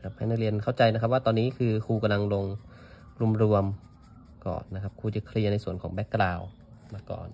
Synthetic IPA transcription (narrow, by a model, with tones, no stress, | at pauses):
kʰa˦˥p̚ʰha˧˩jna˥˩ŋli˧ənkʰa˥˩wt͡ɕa˧jna˦kʰa˦˥p̚waː˥˩t̪ɔː˧nːiː˦˥kʰɯː˧kʰuː˧ka˧mla˧ŋlo˧ŋ | ɾu˧əmɾu˧əm | kɔ̰ː˧˨˩nːa˦˥kʰa˦˥p̚kʰuː˧t͡ɕa˧˩kʰli˧ɐna˧jsu˨˩ənkʰɔː˩˦bɛ˦˥kːlaː˧w | maː˧kɔ̰ː˨˩n